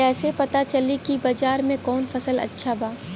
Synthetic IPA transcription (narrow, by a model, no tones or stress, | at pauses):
ɛːsepɐt̪at͡ʃɐlikibɐd͡ʒaːɾmẽkɔːnfɐsəlɐ̰tːʃʰabaː